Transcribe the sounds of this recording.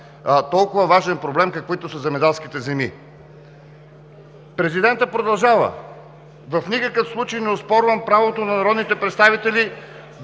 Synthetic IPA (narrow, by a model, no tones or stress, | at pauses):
t̪ɔlˠkʊvɐvaʒɛnpɾoblɛmkɐkoit̪ʊsɐzɛmɛd̪ɛlˠsk̟it̪ɛzɛmi | pɾɛzid̪ɛnt̪əpɾod̪ɐlˠʒavə̰ | vɐfnikəkəfslˠut͡ʃejnɛʊspɔɾvəmpɾavot̪onɐnaɾɔd̪nit̪ɛpɾɛt̪st̪avit̪ɛli